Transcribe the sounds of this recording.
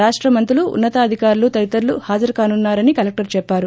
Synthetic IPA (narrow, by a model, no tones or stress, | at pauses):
aːʂʈɾɐmɐnt̪uluṵnːɐt̪ɐːd̪ʱikaːɾulut̪ɐɾit̪ɐɾluhaːd͡ʒɐɾkaːnunːaːɾɐnikɐlek̚ʈɐɾt͡ʃɛpːaːɾu